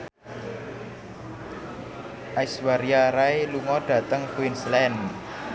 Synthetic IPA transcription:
ʔaiswaɾiaɾaeluŋɔɖ̥ä̤t̪əŋkuinslɛn

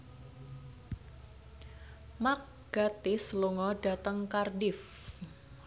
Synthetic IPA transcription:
mak̚ | ɡ̥at̪ɪsluŋɔɖ̥a̤t̪əŋkardɪf

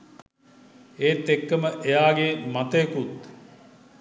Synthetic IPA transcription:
eːt̪ːekːəməʔejaːɡemat̪əekut̪

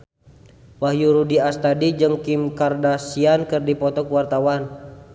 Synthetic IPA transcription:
wahjuɾudiast̪adid͡ʒɨŋkimkardasiankɨrdipɔt̪ɔkuwart̪awan

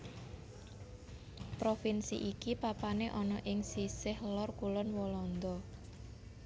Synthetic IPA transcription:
pɾofinsḭʔikipapaneʔɔnɔʔɪŋsisɪhlɔrkulɔnwɔlɔnd̪ɔ

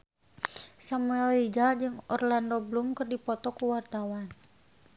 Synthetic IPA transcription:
samuɛlid͡ʒad͡ʒɨŋɔrlandɔblumkɨrdipɔt̪ɔkuwart̪awan

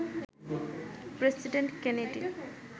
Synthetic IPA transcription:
pɾesiɖeɳʈkɛneɖḭ

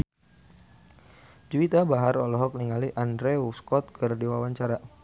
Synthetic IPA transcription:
d͡ʒuit̪abaɦaɾɔlɔɦɔk̚niŋaliʔandɾeuskɔt̪̚kʰərdiwawaɲt͡ʃaɾa

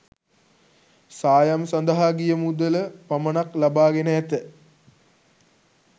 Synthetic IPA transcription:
saːjɐmsɐnd̪ɐɦaːɡijɐmud̪ələpɐmɐɳɐklɐbaːɡenɐjɐt̪ə

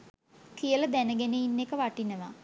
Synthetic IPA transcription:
kijələd̪ænəɡeneinːekəʋaʈinəʋa

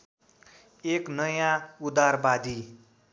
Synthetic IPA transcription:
eknʌjãud̪arbad̪i

